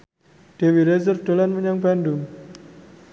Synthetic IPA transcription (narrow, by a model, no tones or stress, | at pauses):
ɖ̥ewiɾezərfd̥olanməɲaŋbandʊŋ